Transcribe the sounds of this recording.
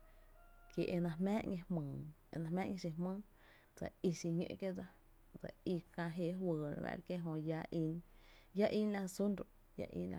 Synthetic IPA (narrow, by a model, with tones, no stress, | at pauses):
ke˧˨ʔe˧nã˧ɦmɛ̃ː˦ʔŋẽ˧hmɨ̃ː˨e˧˨nã˧mɛ̃ː˦ʔŋẽ˧s̬i˧ɦmɨ̃ː˦ | d͡za̰˨i˧si˧ɲḛ̃˧ʔke˦d͡za˧ | d͡za̰˨i˧kã˧ɦe˧˨ɦwəː˨ɾa̰˨βa̰˧˦˨ɾke˦ɦõ˧ja˧˦ʔi˧n | ja˦ʔi˦nla˧su˦nɾo˨ʔ | ja̰˧ʔḭ˦nla̰˧